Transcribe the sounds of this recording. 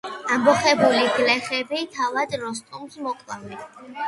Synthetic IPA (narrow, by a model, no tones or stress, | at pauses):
ambɔχɛbuliɡlɛχɛbit̪ʰavad̪ɾɔst̪ʼɔmsmɔkʼlˠavɛn